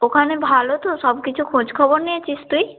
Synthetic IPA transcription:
okʰanebʱalot̪oʃɔbkit͡ɕʰukʰod͡ʑkʰɔboɾniet͡ɕʰist̪uj

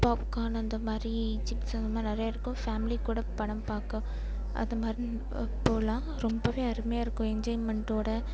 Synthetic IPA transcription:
paːpkaːnɐɐnd̪ɐmaːd̪ɾit͡ʃɪksɐnd̪ɐmaːɾinɐɾɐjaːɪɾɯkːʊ̃faːmɪlikuːɽɐpɐɽɐmpaːkɐ̃ | ʔɐ̰nd̪ɐmaːd̪ɾi | poːlãː | ɾɔmbɐʋeːɐɾɯmejaːɪɾɯkːʊ̃ɛɲd͡ʒɐːɪnmɛɳʈoːɽɐ

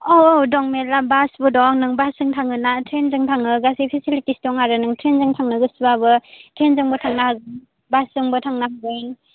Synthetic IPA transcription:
owowdɔŋmelabasbudɔŋnɯŋbasɯŋtʰaŋɯnatʰɾenzɯŋtʰaŋɯɡasipʰisilitistɔŋaɾɯnɯŋtʰɾenzɯŋtʰaŋnɯɡɯsbabɯtʰɾenzɯŋbɯtʰaŋnahaɡɯn | basɯŋbɯtʰaŋnaɦaɡɯjn

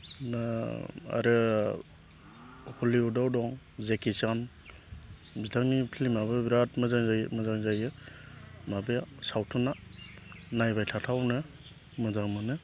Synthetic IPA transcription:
naa̰ɾɯ | hʰɔliudawdɔŋ | zekisam | bitʰaŋnipʰilimabɯbiɾatmazaŋzamazaŋzajɯ | mabejasawtʰuna | najbajtʰatʰawnɯ | mɯzaŋmɯnɯ

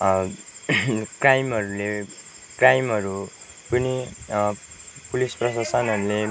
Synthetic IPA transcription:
krajmɦʌɾule | krajmɦʌɾu | pʌni | pulisprʌsasʌnɦʌɾule

